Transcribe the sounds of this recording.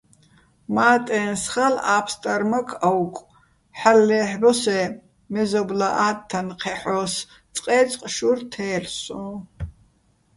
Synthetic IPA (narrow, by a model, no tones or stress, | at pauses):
maːt̪ʼɛːnsχalaːpʰst̪ʼaɾmɐkʰɐwkʷʼ | ħalːɛːħbɔsɛ | mɛzɔblaʔaːt̪ʰːanqʰɛħɔs | t͡sʼqʼɛːt͡sʼqʼʃurt̪ʰɛːrsɔ̃